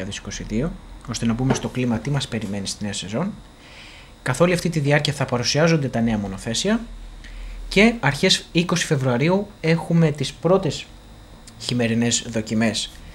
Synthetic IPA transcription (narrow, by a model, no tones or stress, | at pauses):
ɐðesi̥ko̞siðio̞o̞st̪e̞nɐpume̞st̪o̞klimɐt̪imɐspe̞ɾime̞nist̪ine̞ɐse̞zo̞n | kɐθo̞liɐft̪it̪iðiɐɾciɐθɐpɐɾusiɐzo̞nd̪e̞t̪ɐne̞ɐmo̞no̞θe̞siɐ | ce̞ɐɾçe̞siko̞si̥fe̞vɾuɐɾiue̞xume̞t̪ispɾo̞t̪e̞s | çime̞ɾine̞zðo̞cime̞s